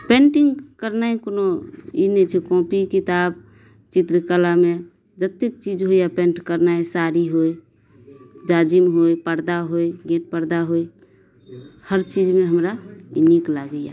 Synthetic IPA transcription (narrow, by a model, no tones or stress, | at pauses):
pẽɳʈiŋɡkəɾnaẽkonoinɛt͡ʃʰɛkɔ̃pikit̪aːb̚ | t͡ʃit̪ɾəkəlame | d͡ʒət̪ːek̚t͡ʃid͡ʒɦojjapẽɳʈkəɾnaesaɾiɦoj | d͡ʒad͡ʒimɦojpəɾd̪aɦoiɡẽʈ̚pəɾd̪aɦoi | həɾt͡ʃid͡ʒmeɦəmɾaḭniklaɡəja